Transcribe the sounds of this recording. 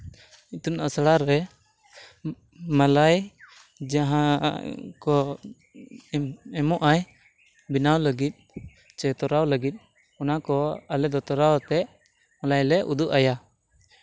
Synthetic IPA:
it̪unasɽaɾɛ | malaj | d͡ʒaɦã | kɔ | ɛmɔʔaj | binawləɡit̪̚ˀ | t͡ʃɛt̪ɔɾawləɡit̪̚ˀ | ɔnakɔalɛd̪ɔt̪ɔɾawt̪ɛʔ | malajlɛʔṵd̪uʔaja

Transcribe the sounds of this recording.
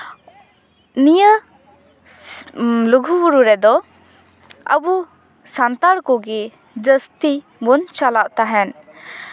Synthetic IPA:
nijə | luɡʱubuɾuɾɛd̪ɔ | ə̰bu | sant̪aɾkɔɡɛ | d͡ʒəst̪i | bɔnt͡ʃalaʔt̪aɦɛn

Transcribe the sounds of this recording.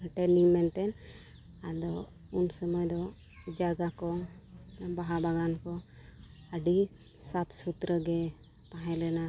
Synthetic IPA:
ʈɛniŋmɛnʈ̪ɛn | ad̪ɔ | unsɔmɔjd̪ɔ | d͡ʒaɡakɔ | baɦabaɡankɔ | əɖi | sapsut̪ɾəɡɛ | t̪ãɦɛ̃lɛna

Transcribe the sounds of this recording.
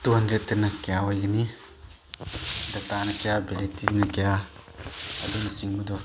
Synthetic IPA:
d̪̥uɦɐndɾet̪ːɐnɐkejawajɡɐni | d̪ɐtanɐkejabeɾetidinɐkeja | ɐd̪unɐsiŋbɐd̪ɔ

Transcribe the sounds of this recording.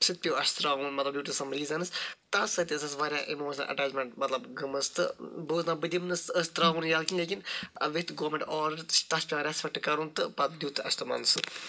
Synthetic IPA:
t͡ʃʰɨt̪̚pʲjoːɐst̪ɾaːʋuːnmɐt̪lɐbdʲuːʈʲisɐmɾiːzɐnɨst̪ɐsɐt̪ʲisɐsʋaːɾʲjaʔimoːʃnɐ̰nʔɐ̰ʈaːd͡ʒmeɳʈmɐt̪lɐbɡɨmɨst̪ɨbɨːznaːbɨd̪ʲimnɨsəst̪ɾaːʋunjaːlkinleːkinɐ̰ʋit̪ɡoːmẽɳʈɔːɾt̪ɐspʲiʋɐːɾʲaːsʋɐʈːɨkɐɾuːnt̪ɨpɐt̪̚d̪juːt̪ɨɐ̰st̪ɨmɐ̰nsɨ

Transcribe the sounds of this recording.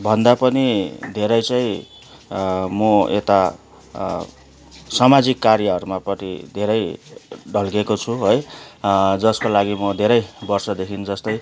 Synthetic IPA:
bʱʌnd̪apʌnid̪ʱeɾʌjt͡sʌj̃ | mʌḛt̪a | sʌmad͡zikːarjʌʌɾumapʌʈid̪ʱeɾʌjɖʱʌlɡekot͡sʰuɦoj | d͡zʌskolaɡimʌd̪ʱeɾʌjbʌrsʌd̪ekʰind͡zʌst̪ʌj

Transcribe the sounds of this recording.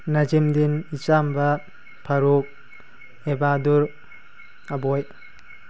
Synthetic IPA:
nad͡ʒimdinit͡ʃambɐ | pʰaɾuk̚ | ebaduɾ | abɔj

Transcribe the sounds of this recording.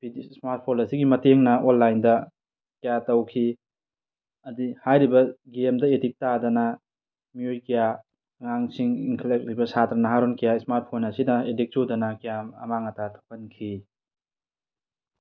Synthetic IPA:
bidismaɾt̚pʰonɐsiɡimɐteŋnɐʔolːajndɐ | kɐjatɐwkʰi | ɐdihajɾibɐɡemdɐedik̚tadɐnɐ | mijojkɐja | ŋaŋsiŋiŋkʰelek̚ɾibɐsatɾɐnɐɦaɾonkɐjasmaɾt̚pʰonɐsidɐedik̚t͡ʃudɐnɐkijamɐ̰maŋɐtatʰo̥kɐnkʰi

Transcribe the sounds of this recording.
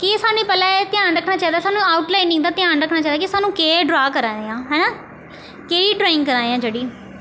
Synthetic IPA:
kesaːnũĩːpəlaːet̪ɪjãːnɾəkʰnaːt͡ʃaːid̪aːsaːnũːaːʊʈlaːinĩːd̪aːt̪ɪãːnɾəkʰːnaːt͡ʃaːd̪aːkɪsaːnũːkeːɖɾaːkəɾaːeãːɦɛːnaː | keːiːʈɾaːɪ̃ŋɡkəɾãːeãːd͡ʒeːɽiː

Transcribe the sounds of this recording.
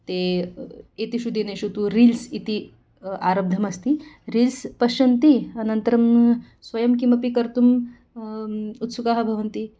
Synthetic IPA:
t̪e | it̪iɕud̪ineɕut̪uɾilsit̪i | aɾəb̚d̪ʱəmɐst̪iɾiːlspɐɕɐnt̪iɐnənt̪əɾɐm | sʋɐjɐmkimɐpikəɾt̪um | ut̪sukaɦabʱɐʋɐnt̪i

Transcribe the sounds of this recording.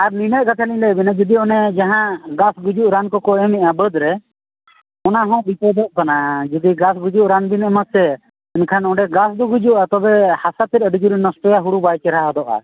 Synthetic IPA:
aɾninəʔ̚ɡat̪ʰalĩlɛbinad͡ʒud̪iɔnɛd͡ʒaɦãɡasɡud͡ʒuʔɾankɔkɔɛmɛʔabəd̪ɾɛ | ɔnaɦɔ̃bipɔd̪ɔʔ̚kanad͡ʒud̪iɡasɡud͡ʒuʔɾanbinɛmət̪̚sɛ | ɛnkʰanɔ̃ɖɛɡasd̪ɔɡud͡ʒuʔat̪ɔbɛhasat̪iɾəɖid͡ʒuɾinəsʈɔjaɦuɽubajt͡ʃɛɾaɦaɦɔd̪ɔʔa̰

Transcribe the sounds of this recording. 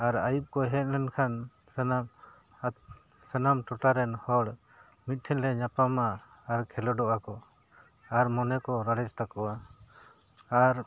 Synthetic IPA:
aɾajup̚kɔɦɛt̪̚ˀlɛnkʰan | sənam | sənamʈɔʈaɾɛnhɔɽ | mit̪̚ʈ̪ʰɛnlɛɲapamaː | ɾkʰɛlɔɖɔʔakɔ | aɾmɔnɛkɔɾaɽɛt͡ʃt̪akɔa | aɾ

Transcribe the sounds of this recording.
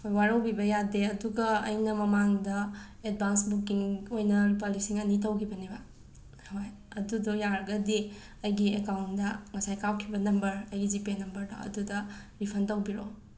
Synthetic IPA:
hojwaɾɐwbibɐjadeɐduɡɐɐ̰jnɐmɐmaŋdɐ | ed̚bʱansbukːiŋojnɐpalisiŋɐnit̬ɐwkʰibɐnibɐ | hoj | ɐdudujaɾɡɐdi | ɐjɡiekawntdɐŋɐsajkawkʰibɐnɐmbɐɾɐjɡid͡ʒipenɐmbɐɾdɐ̰ɐ̰dudɐ | ɾipʰɐntɐwbiɾo

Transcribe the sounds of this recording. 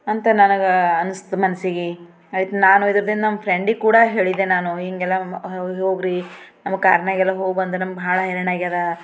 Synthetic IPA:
ɐnt̪ɐnɐnɐɡɐɐnust̪mɐnsiɡi | ɐit̪naːnuid̪ɾɐd̪ind̪ɐnɐmːɐpʰɾeɳɖikuːɽɐɦe̞ːɭid̪enaːnuɦiŋɡɛlːɐɦɦoːɡɾi | nɐmːɐka̰ːɾɐɳaːɡɛlːɐɦoːɡbɐnd̪enɐmɐɡbʱaːɭɐɦɛɾɐnaːɡiɐd̪ɐ

